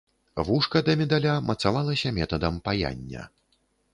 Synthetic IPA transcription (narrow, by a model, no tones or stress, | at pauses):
vuʂkɐd̪ɐmʲɛd̪alʲamɐt̪savalˠɐsʲɐmʲɛt̪ɐd̪ɐmpaja̰nʲːɐ̰